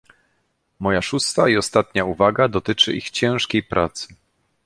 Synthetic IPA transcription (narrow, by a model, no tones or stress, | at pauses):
mɔjaʂust̪aiɔst̪at̪ɲauvaɡad̪ɔt̪ɘt͡ʂɘ̰ʔixt͡ɕɛ̃w̃ʂkʲejpɾʔa̰t̪sɘ̥